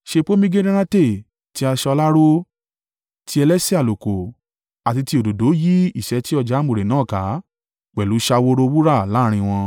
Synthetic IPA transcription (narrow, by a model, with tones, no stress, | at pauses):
ʃe˧k͡po˦mĩ˦ɡe˦ɾĩ˦ɾã˦te˦˨ | ti˧˦a˧ʃɛ˧ɔ˧la˦ɾo˦ | tʰi˧˦ɛ˧lɛ˦si˦a˨lo˨ko˨ | a˨ti˧ti˧o˨do˨do˨˦ji˦i˦˨ʃɛ˨˦ti˦ɔ˧d͡ʒa˨˦mõ˨ɾe˨nãː˨˦˨ka˨˦ | k͡pɛ˨lu˨˦ʃa˧wo˦ɾo˧wu˦ɾa˦˨la˨˦˨ɾ̃ĩ˧w̃ɔ̃˧